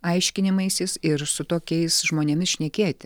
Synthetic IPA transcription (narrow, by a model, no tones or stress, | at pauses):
ɐɪʃʲkʲɪnʲɪmɐɪsʲɪsɪɾsʊt̪oːkʲɛɪsʒmoːnʲeɛmʲɪsʃʲnʲɛkʲeːt̪ʲɪ